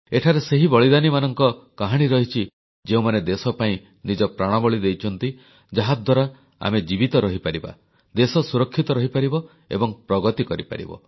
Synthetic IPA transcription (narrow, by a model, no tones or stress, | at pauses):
eʈʰaɾeseɦibɔɭid̪animanɔŋkɔkaɦaɽ̃iɾɔɦit͡ʃʰi | d͡ʒeũmaned̪esɔpaĩ | nid͡ʒɔpɾaɽ̃ɔbɔɭid̪ejt͡ʃʰɔnt̪i | d͡ʒaɦad̪ʱwaɾa | a̰med͡ʒibit̪ɔɾɔɦipaɾiba̰ | d̪esɔsuɾɔkʰːit̪ɔɾɔɦipaɾibɔ | ḛbɔŋpɾɔɡɔt̪ikɔɾipa̰ɾḭbɔ̰